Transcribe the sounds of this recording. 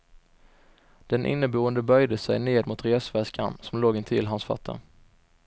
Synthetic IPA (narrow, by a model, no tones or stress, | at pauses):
d̪̥ɛnʔɪ̰nːəbuːənd̪əbœjd̪əsɛ̰jneːd̪mʊt̪ɾeːsvɛska̰nsɔmloːɡɪnt̪ʰɪlɦansfɑ̰t̪ʰːə̰